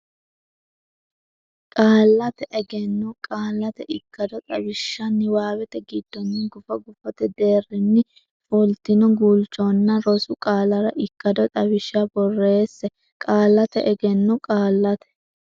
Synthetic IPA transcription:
kʼaːlːɐt̪ɛʔɛɡɛnːɔkʼaːlːɐt̪ɛʔɪkːɐd̪ɔt̪ʼɐbɪʃːɐnːɪwaːwɛt̪ɛɡɪd̪̥ːɔnːɪɡʊfɐɡʊfɐt̪ɛd̪e̞ːrːɪnːɪ | fʊlt̪ɪnɔɡuːlt͡ʃɔnːɐɾɔsʊkʼaːlɐɾɐʔɪkːɐd̪ɔt̪ʼɐbɪʃabɔrːe̞ːsːɛ | kʼaːlːɐt̪ɛʔɛɡɛnːɔkʼaːlːɐt̪ɛ̥

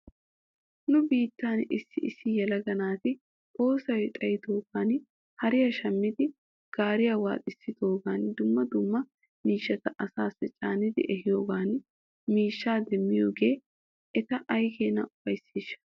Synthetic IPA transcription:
nʊbiːt̪ːaːnɪsːɪʔɪsːɪjɛlɐɡɐnaːt̪ɪ | ʔʼo̞ːsɐwɛt̪ʼɐjɪt̪o̞ːɡaːn | hɐɾɪjɐʃɐmːɪd̪ɪ | ɡ̥aːɾɪjawa̰ːt̪ʼɪsːɪt̪o̞ːɡaːnd̪ʊmːɐd̪ʊmːɐ | miːʃːɐt̪ɐʔɐsaːsːɛt͡ʃʼaːnɪd̪ɪ̰ʔɛhɪjo̞ːɡaːn | miːʃːaːd̪ɛmːɪjoːɡe̞ː | ʔɛt̪ɐʔɐjkeːnɐʊb̥ɐjsiːʃːɐ̥

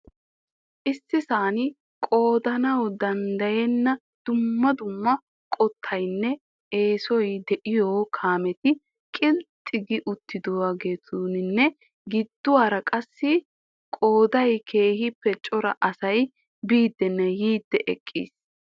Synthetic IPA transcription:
ʔɪsːɪsaːnɪ | kʼo̞ːd̪ɐnɐwd̪ɐnd̪ɐjɛnːɐ | d̪̥ʊmːɐd̪ʊmːɐ | kʼɔt̪ʰːɐjnːɛ | eːsɔjd̪ɛʔɪjoːkʰaːmɛt̪ɪ | kʼɪlt̪ʼːɪɡɪʔʊt̪ʰːɪd̪ɔwaːɡe̞ːt̪ʰuːnɪnːɛ | ɡɪd̪ːʊwaːɾɐkʼɐsːɪ | kʼo̞ːd̪ɐjkʰe̞ːhɪpːɛt͡ʃʼɔɾɐ̰ʔɐsɐj | biːd̪ːɛnːɛjiːd̪ːɛʔɛkʼːḭːs

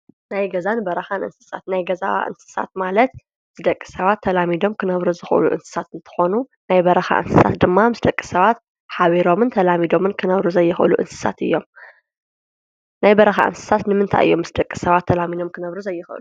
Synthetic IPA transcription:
najɡɐzanbɐɾɐxanʔɨ̰nsɨ̥sa̰t̪najɡɐza̰wa̰ʔɨ̰nsɨ̥sa̰t̪̚malɐt̪̚ | z̥ɨd̪ɐkʼːɨ̥sɐβat̪ʰːɐlamid̪o̞mkʰɨnɐβɾuzɨxʔɨ̰lṵʔɨ̰nsɨ̥sat̪ɨnt̪ʰɨ̥xo̞nu | najbɐɾɐxa̰ʔɨ̰nsɨ̥sa̰t̪d̪ɨmːamɨsd̪ɐkʼːi̥sɐβat̪̚ | ħaβiɾo̞mɨnt̪ʰɐlamid̪o̞mɨnkʰɨnɐβɾuzɐjːɪxɨ̰luʔɨ̰nsɨ̥sa̰t̪ɨ̰jːo̞m | najbɐɾɐxa̰ʔɨ̰nsɨ̥sat̪nɨmɨnt̪ʰa̰jʔɨ̰jːomːɨsd̪ɐkʼːi̥sɐβat̪ʰːɐlamid̪o̞mkʰɨnɐβɾuzɐjːɨxɨ̰lu

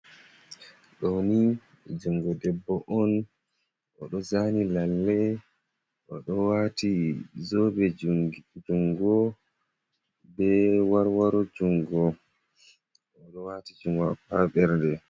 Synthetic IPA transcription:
ɗɔni | d͡ʒuŋɡɔdɛbːɔʔɔn | ʔɔ̰ɗɔzanilalːɛ | ʔɔɗɔwatizobɛ | d͡ʒuŋɡɔ | bɛwaɾwaɾɔd͡ʒuŋɡɔ | ɔɗɔwatid͡ʒuŋɡapaɓɛɾndɛ

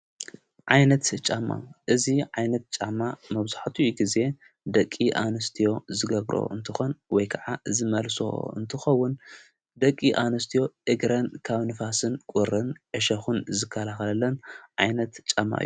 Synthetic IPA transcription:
ʕajnɐt̪t͡ʃʼamːa̰ʔɨziʕajnɐt̪̚t͡ʃʼamːamɐβzaħt̪ʰuɡize̞ | d̪ɐkʼːiʔanɐst̪ʰijo̞zɨɡɐβɾo̰ʔɨ̰nt̪ʰɨxo̞nwɔjkʰɐʕazɨmɐlso̰ɨ̰nt̪ʰɨxɐwːʊn | d̪ɐkʼːiʔanɐst̪ʰijo̞ʔɨɡɾɐnkʰaβnɨfasɨnkʼuɾɨnʕɨʃɐxunzɨkʰːɐlaxɐlɐlːɐnʕajnɐt̪t͡ʃʼamːa̰ʔɨ̰jːu

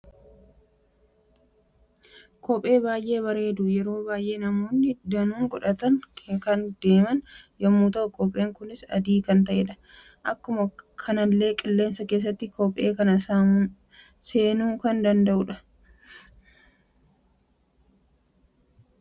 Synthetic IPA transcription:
kʰɔpʼːe̞ːbaːjʔe̞ːβɐɾe̞ːd̪ʊjɛɾo̞ːbaːjʔe̞ːnɐmo̞ːnːɪd̪ɐnuːŋɡʼɔᶑɐt̪ɐnkɐnd̪e̞ːmɐnjɐmːuːt̪ɐkʼɔpʼʔeːŋkʊnɪsɐ̰d̪iːkɐnt̪̬ɐʔɛᶑɐ̥ | ʔɐkːʊmɐkʰɐnɐlːe̞ːkʼɪlːeːnsɐke̞ːs̬ːɐt̪ːɪkɔpʼːe̞ːkɐnɐsa | se̞ːnuːŋkɐnd̪ɐnd̪ɐʔʊᶑɐ̥

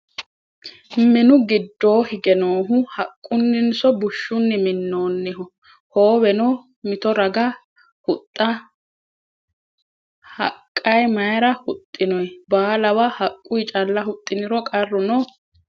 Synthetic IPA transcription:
mɪnʊɡɪd̪ːo̞ːhɪɡɛnoːɦʊhɐkʼːʊnːɪnsɔbʊʃːʊnːɪmɪnːo̞ːnːɪɦɔ | ho̞ːwɛnɔ | mɪt̪ɔɾɐɡɐ | hʊt̪ʼːɐ | hɐ̰kʼːɐjmɐjɾɐhʊt̪ʼːɪnɔjbaːlɐwahɐkʼːʊjt͡ʃʼɐlːɐɦʊt̪ʼːɪnɪɾɔkʼɐrːʊnɔ

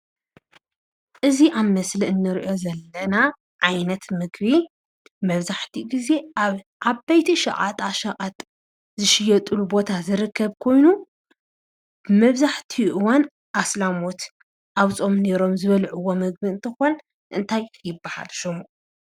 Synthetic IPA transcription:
ʔɨziʔaβmɐsliʔɨnːɨɾiʔo̞zɐlːɐna | ʕajnɐt̪mɨɡβi | mɐβzaħt̪ʰiɡize̞ʔaβ | ʔabajt̪ʰiʃɐ̰ʔʼat̪ʼaʃɐʔʼat̪ʼ | zɨʃɪjːɐt̪ʼulubo̞t̪ʰazɨɾɨkːɐβkʰo̞jnu | b̥ɨmɐβzaħt̪ʰiʔɨwan | ʔaslamo̞t̪ | ʔaβt͡sʼo̞mne̞ɾo̞mzɨβɐlʕuwːo̞mɨɡ̚biɨnt̪ʰɨxon | ʔɨnt̪ʰajjɪbːaha̰lʃɨmu

